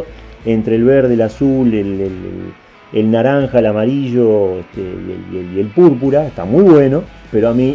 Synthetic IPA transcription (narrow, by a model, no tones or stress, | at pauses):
ent̪ɾeːlβeɾð̞eːlasulelel̰ | elnaɾaŋxaelamaɾiʒo̞eht̪ḛḛeljelpuɾp̬uɾaeht̪a̰mujβwe̞no̞peɾoami